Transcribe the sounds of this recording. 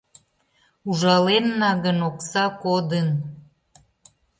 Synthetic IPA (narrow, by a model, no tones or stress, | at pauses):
uʒɑlenːɑɣənoksɑkod̪ən